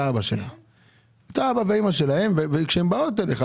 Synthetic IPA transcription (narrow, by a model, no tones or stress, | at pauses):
abaʃela | et̪aabaveimaʃe̞lahe̞mvevekʃeembaot̪eleχa